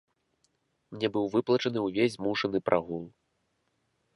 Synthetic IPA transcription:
mnʲɛbɨwvɨplˠɐt͡ʂɐnɨwvʲezʲmuʂɐnɨpɾʔaɣulˠ

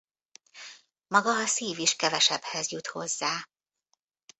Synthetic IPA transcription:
mɒɡɒɒsiːviʃkɛvɛʃɛbhɛzjut̪ho̞̰zːaː

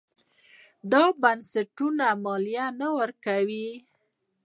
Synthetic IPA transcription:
d̪ɑbansaʈunamɑlijanawəɾkawi

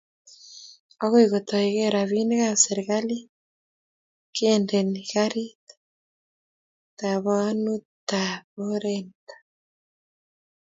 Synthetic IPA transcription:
ɔɣoiɣot̪ɔeɣeɾaβineɣaseɾeɣali | kendɛniɣaɾitḁ | taβanutaβoɾentḁ

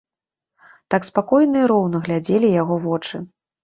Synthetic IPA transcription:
t̪akspakɔjnɨjɐɾɔwnɐɣlʲad͡zʲelʲijaɣɔvɔt͡ʂɨ

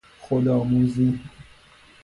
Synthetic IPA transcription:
xod̪ɔmũzi

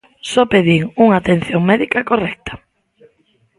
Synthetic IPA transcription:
sɔpeðiŋuŋaːt̪en̟θjoŋmɛðikɐkorɛk̚t̪ɐ̥

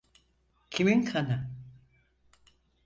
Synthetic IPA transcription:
cʰiminkʰana

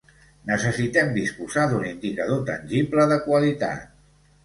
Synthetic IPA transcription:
nəsəsit̪ɛmd̪ispuzad̪unind̪ikəð̞ot̪ə̰nʲʒipləðəkwəlit̪a̰t̪

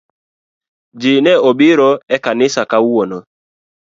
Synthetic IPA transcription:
d͡ʒɪnɛɔbɪɾɔɛkanɪsakawuonɔ

